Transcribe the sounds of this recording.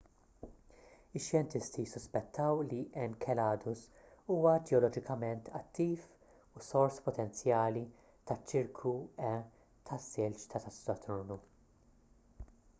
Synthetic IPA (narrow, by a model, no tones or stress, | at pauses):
ɪʃːjɛnt̪ɪst̪isːʊspɛt̪ʰːɐwliʔɛmkʰɛlɐːd̪ʊs | uːwɐd͡ʒ̪ɛɔlɔd͡ʒɪkɐmɛnt̪ʰɐt̪ːiːf | usɔɾspɔt̪ɛnt͡sjɐːli | t̪ɐt͡ʃːɪɾkʰuɛ | t̪ʰɐsːɪlt͡ʃt̪ʰɐt̪ɐst̪ɔt̪ʊɾnu